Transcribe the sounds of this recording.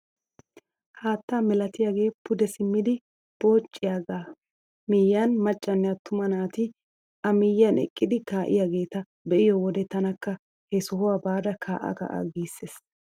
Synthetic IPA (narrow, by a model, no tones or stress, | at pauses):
haːt̪ːaːmɛlɐt̪ɪjaːɡe̞ːpʊd̪ɛsɪmːɪd̪ɪ | b̥o̞ːt͡ʃʼːɪjaːɡaː | mɪjːanmɐt͡ʃʼːɐnːɛjɐt̪ʰʊmɐnaːt̪ɪ | ʔɐmɪjːɐnɛ̰kʼːɪd̪ɪkaːʔɪ̰jaːɡe̞ːt̪ɐ | bɛʔɪjɔwɔd̪ɛt̪ɐnɐkːɐ | hɛsɔɦɔwabaːd̪ɐkʰaːʔɐ̰kɐ̰ʔa̰ɡiːsːeːs